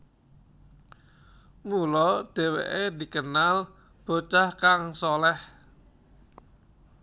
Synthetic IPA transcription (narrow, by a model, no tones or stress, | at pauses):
mulɔd̪̥e̤wḛʔed̪i̤kənal | b̥o̤t͡ʃahkaŋsolɛh